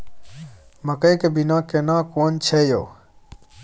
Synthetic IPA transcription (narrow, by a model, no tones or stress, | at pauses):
məkəjkebinãːkenãːkoːnt͡ʃʰeːjo̰ː